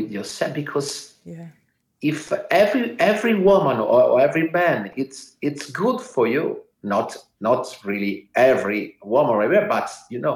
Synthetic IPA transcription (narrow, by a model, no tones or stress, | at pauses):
ɪðjɔsɛbikʰɔz | ɪfɛvɹiɛvɹiwʊmə̃nɔ̰ɔ̰ɛvɹimæ̃nɪtsɪtsɡʊdfɔ˞ju | nɔt | nɔtɹiliʔɛvɹiwʊmə̃nɹɛwɛbatjunoʊ